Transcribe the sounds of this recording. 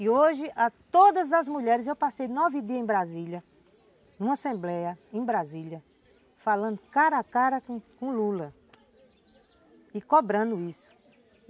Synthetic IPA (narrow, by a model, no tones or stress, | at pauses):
ɪoʒɪʔat̪od̪ɐzɐzmuʎɛɾɪzewpasejnɔvɪd̪iɐẽbɾaziʎɐ | nũmɐasẽmblɛjɐẽj̃bɾazilɐ | falɐ̃nd̪ʊkaɾakaɾɐkkõlulɐ | ɪkɔbɾɐ̃nd̪ʊisʊ̥